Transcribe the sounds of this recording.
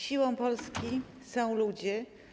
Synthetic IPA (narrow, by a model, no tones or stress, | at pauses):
ɕiwɔ̃w̃pɔlskʲi | sɔ̃w̃lud͡ʑɛ